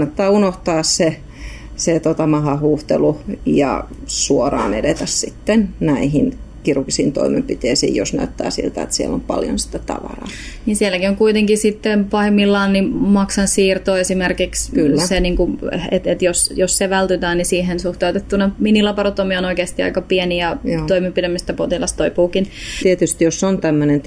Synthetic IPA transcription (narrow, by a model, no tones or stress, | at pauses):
ɑnːɑt̪ːɑːunoht̪ɑːsse | set̪ot̪ɑmɑɦɑhuːht̪elujɑ̰suorɑ̰ːnḛdet̪æssit̪ːennæiɦinkirukisḭːnt̪o̰imempit̪eːsḭːjjosnæyt̪ːæ̰ːsḭlt̪æḛt̪siḛlːompɑ̰ljo̰nsi̥t̪æt̪ɑ̰ʋɑ̰rɑ̰ːnisielːˑækioŋkuit̪eŋkisit̪ːempɑhemːilːɑːnnimɑksɑnssiːrt̪oːesimerkikskylːseniːŋkuet̪et̪josjosseʋælt̪yt̪æːnnisiːhensuht̪ɑut̪et̪ːunɑminilɑpɑrot̪ːomionoikeːst̪iɑ̰ikɑpieniɑjtoimempidæmist̪æpot̪ilɑst̪oipuːkint̪iet̪yst̪josːont̪æmːønen